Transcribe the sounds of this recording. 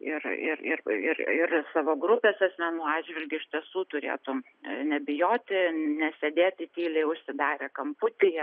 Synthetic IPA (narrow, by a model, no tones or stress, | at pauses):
ɪrɪ̰rɪ̰rɪrɪrsɑːʋoːɡrʊpʲeːsɐsʲmʲɛnuːɑːdʒʲʋʲɪlʲɡʲʊɪʃʲtʲiɛsuːt̪ʊɾʲḛːt̪ʊm | nʲɛbʲɪjoːt̪ʲɪnʲɛsʲɛd̪ʲeːt̪ʲɪt̪ʲiːlʲɛɪʊʃʲsʲɪd̪ɑːɾʲeːkɐmpʊt̪ʲɪjɛ